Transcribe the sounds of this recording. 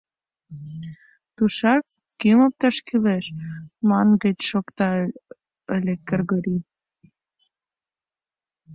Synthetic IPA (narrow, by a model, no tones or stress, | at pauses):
t̪uʃɑkː | ymop̚t̪ɑʃkileʃmɑnɣət͡ɕʃokt̪ɑ | əlʲekərɣɤɾi